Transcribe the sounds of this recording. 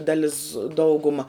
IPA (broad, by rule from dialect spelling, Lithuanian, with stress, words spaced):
dɐˈlʲɪs ˈdɐʊɡʊmɐ